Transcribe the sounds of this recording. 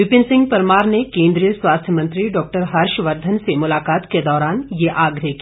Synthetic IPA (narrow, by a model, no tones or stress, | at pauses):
ʋɪpɪnsɪ̃ŋɡ̚pɐɾmaːɾnekẽːnd̪ɾijəswaːst̪ʰjəmɐ̃nt̪ɾiɖɔːk̚ʈəɾɦɐɾʃʋɐɾd̪ʱənsemʊlaːkaːt̪ked̪ɔːɾaːnjeʔaːɡɾəki